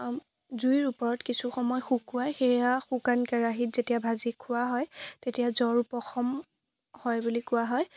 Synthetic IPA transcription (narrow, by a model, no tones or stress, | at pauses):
zuiɹupɔɹɔtkisuxɔmɔjxukːʊajxejaxukankɛɹaɦitzetiabʱazikʰʊwaɦɔjtetijazɔɹupɔxɔm | hɔjbulikʊwaɦɔj